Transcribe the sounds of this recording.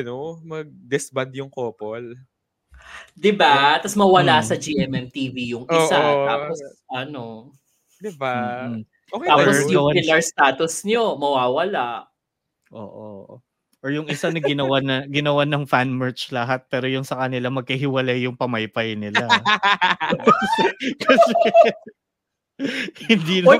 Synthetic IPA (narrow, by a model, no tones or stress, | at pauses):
ɐnomɐɡ̚d̪ɛsband̪jʊŋkoːpol | d̪ɪbat̪ɐsmɐwɐlasɐd͡ʒiʔɛmɛmt̪iːvijʊŋʔɪoːʔat̪aːposʔɐno | d̪ɪba | okt̪aːposjʊwɐɪlɐɹst̪aːt̪ʊsɲomɐwaːwɐlaʔ | ʔo̰ːʔo̰ | ʔoɹjʊŋɪsanɐɡɪnɐwanɐɡɪnɐwanɐŋfanmɛɹt͡ʃlɐɦat̪̚pɛːɾojʊnsɐkɐnɪlamɐɡ̚kɐɦɪwɐlajːʊŋpɐmɐjpɐjnɪla | kɐsɛ | hɪnd̪iːnɐ